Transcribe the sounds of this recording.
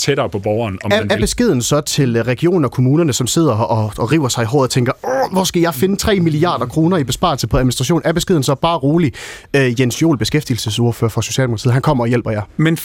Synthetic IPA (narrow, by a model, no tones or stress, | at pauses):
t͡sʰeɾɐpʰɒ̽b̥ɒʊɐːnɒæɐbe̝sɡ̥e̝ð̞ˠn̩sɒ̽t͡sʰe̝lʁɛɡ̥io̝̰ːn̩ɒ̽kʰo̝muːnɐnəsɒ̽mse̝ð̞̰ˠɐɒ̽ʁiʊ̰ɐsɑ̈ɪiɦɒ̰ːð̩ˠt͡sʰeŋɡ̥ɐʋɒsɡ̥æjɑ̈ɪfe̝nət͡sʰʁɛ̰ːmiliɑ̰̈ːd̥ɐkʰʁo̝ːnɐib̥e̝sb̥ɑ̰̈lsəpʰɒ̽æðˠminisd̥ʁɑ̈ɕo̝̰ːnæɐb̥esɡ̥e̝ð̰ˠn̩sɒ̽b̥ɑ̈ːʁoːliøjensjo̝̰ːlb̥e̝sɡ̥efd̥il̩səso̝ɐføːɐfʁɑ̈so̝ɕɛ̰ldemokʰɑt͡sʰḭð̩̰ˠɦænkʰɒ̽m̰ɐɒ̽jel̰b̥ɐjɑ̈men